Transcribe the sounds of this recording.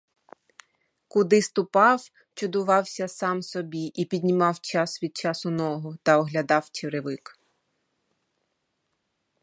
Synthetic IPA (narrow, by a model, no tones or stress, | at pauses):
kʊd̪ɪst̪ʊpɑw | t͡ʃʊd̪ʊʋɑwsʲɐsɑmsɔbʲiʔipʲid̪ʲnʲimɑwt͡ʃɑsʋʲid̪̚t͡ʃɑsʊnɔɦɔt̪ɐɔɦlʲɐd̪ɑwt͡ʃeɾɪʋɪk